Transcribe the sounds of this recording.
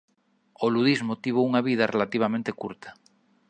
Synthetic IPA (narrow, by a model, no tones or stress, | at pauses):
oluðizmot̪iβ̞ouŋaβið̞arʔelat̪iβamẽnt̪ekuɾt̪ḁ